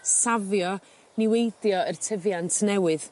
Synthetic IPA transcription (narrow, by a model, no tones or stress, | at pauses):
savjɔ | nɪwejdjɔərtʰəvjantʰnɛwɨð